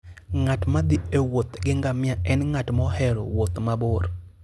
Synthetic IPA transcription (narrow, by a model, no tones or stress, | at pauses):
ŋatmad̪ɪewot̪ɡɪŋɡamɪaɛnŋatmɔhɛɾo̰wot̪mabor